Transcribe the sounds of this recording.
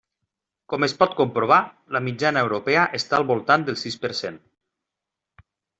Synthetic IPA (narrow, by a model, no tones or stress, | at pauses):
kɔmespɔt̪̚kumpɾoβ̞a | ləmid͡ʒanəewɾopɛəʔest̪aːlˠβulˠt̪and̪əlˠsispəɾsen